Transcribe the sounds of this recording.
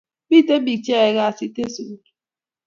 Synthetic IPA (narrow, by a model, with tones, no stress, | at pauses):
bi˦te˦bi˨t͡ʃe˦e˨ɣa˦˨si˦te˦su˨˦˨